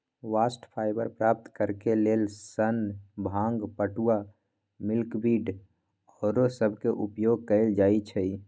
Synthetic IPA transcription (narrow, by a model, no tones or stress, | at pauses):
ʋaːsʈpʰaːɪbə̰ɾpɾaːp̚t̪kəɾkeleːlsənbʱãːŋɡpəʈua | mɪlkbiːɖ | ɔːɾosəbʱkeʔupjoːɡ̚kəɪld͡ʒaːit͡ʃʰəi